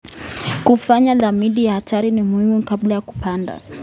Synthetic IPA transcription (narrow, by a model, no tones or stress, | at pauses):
kufaɲaðamiɗijahatʰaɾinimuhimukablajaku̥panda̰